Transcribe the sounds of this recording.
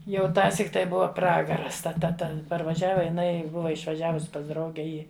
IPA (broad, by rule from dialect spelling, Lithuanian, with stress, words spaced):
ˈjɛʊ ˈtɑːsʲiːk tɐɪ ˈbʊʋɐ ˈprɑːɡɐrɐs tɐ ˈtɐ ˈtʲɛn pɐrʋɐˈʒʲæːʋɐ jɪˈnɐɪ ˈbʊʋɐ ɪʃʋɐˈʒʲæːʋʊs pɐs ˈdrɐʊɡʲɛ ˈiː